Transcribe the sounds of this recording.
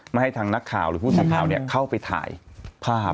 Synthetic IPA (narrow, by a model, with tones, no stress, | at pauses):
ma˥˩ha˥˩jt̪ʰaː˧ŋna˦˥kʰːaː˨˩˦wɾɯː˨˦pʰu˥˩saː˧˦kʰaː˩˦wni˥˩kʰa˥˩wpa˧jt̪ʰa̰ː˩˦jpʰaː˥˩